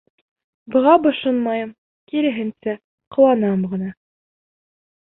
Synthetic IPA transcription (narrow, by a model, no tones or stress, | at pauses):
bɤ̆ʁɑbɤ̆ʃɤnmɑjɤm | kiɾɘ̆ɦɘ̆nsæ | qŏwɑnɑmʁɤ̆nɑ